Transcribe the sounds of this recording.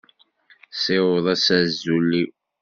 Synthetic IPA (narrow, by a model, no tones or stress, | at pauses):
sewðˤæsæzːulːi